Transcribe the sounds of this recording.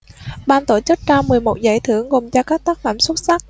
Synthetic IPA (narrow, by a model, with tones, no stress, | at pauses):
ɓaː˧nt̪o˧˩t͡ɕɨ˦˥k̚t͡ɕaː˧mɨ˨˩əjmo˨˩t̚za̰ː˧˩jt̪ʰɨ˧˩əŋɣo˨˩mt͡ɕaː˧kaː˦˥k̚t̪aː˦˥k̚faː˧˩mswə˦˥t̚sa˦˥k̚